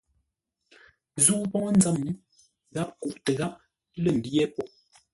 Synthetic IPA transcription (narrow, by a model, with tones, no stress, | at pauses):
zuː˦pɔ˦ŋɔ˦n̩d͡za˦˨m˦ | ɣa˦p̚ku˨ʔtə˨ɣa˦p̚ | lə˦˨m̩˨djɛ˦pɔ˨ʔ